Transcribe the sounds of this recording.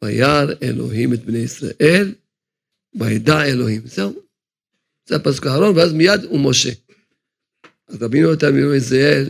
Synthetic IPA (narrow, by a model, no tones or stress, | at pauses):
ajaɾḛlo̞̰ɦimet̪̚bnejisɾa̰ʔe̞l | baed̪aelo̞himzeu | zeapasu̥kahaɾo̞nveazmijad̪umoʃḛ | ʔazɾabinuot̪almieisael